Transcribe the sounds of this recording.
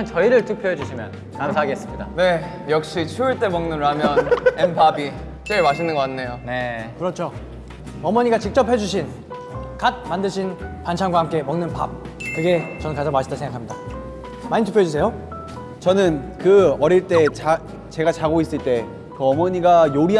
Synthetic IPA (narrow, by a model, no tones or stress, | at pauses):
ɯt͡ɕʌiɾɯɭtʰɯk̚pʰjoɦed͡ʑuɕʰimjʌn | kamsʰaɡes͈ɯmɲida̰ne̞ | jʌk̚ɕ͈it͡ɕʰuiɭt͈e̞mʌŋnɯnɾamjʌnnenpʰabi | t͡ɕ͈eɭmaɕʰinɯnɡʌk͈anːejonekɯɾʌt͡ɕʰo | ʌmʌɲiɡat͡ɕik̚t͡ɕ͈ʌpʰhe̞d͡ʑuɕʰin | kat̚mandɯɕʰinpant͡ɕʰaŋɡwaɦhamk͈e̞mʌŋnɯnpa̰b̚ | kɯɡe̞t͡ɕʌnɯnkad͡ʑomaɕʰi̥t͈asʰeŋɡakʰamɲida | maɲitʰɯkpʰoed͡ʑus̬ʰe̞jo | t͡ɕʌnɯnkɯʌɾiɭt͈e̞t͡ɕa | t͡ɕe̞ɡat͡ɕaɡois͈ɯɭt͈e̞ | kɯʌmʌɲiɡajoɾi